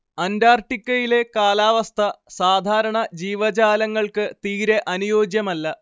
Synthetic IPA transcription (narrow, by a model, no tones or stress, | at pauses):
ɐndaːrʈːikʲːɐjile̞kaːlaːʋɐst̪ʰɐsaːd̪ʱaːɾɐɳɐd͡ʑiːʋɐd͡ʑaːlɐŋːɐɭkɨt̪iːɾeʔɐnujo̞ːd͡ʑjɐmɐlːɐ